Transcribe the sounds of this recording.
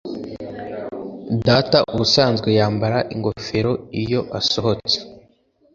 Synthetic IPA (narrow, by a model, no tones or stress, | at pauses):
dataʔuβusaːnzɡwe̞jaːmbaɾaʔiŋɡo̞fe̞ɾo̞ijo̞ʔaso̞ɦo̞t͡se̥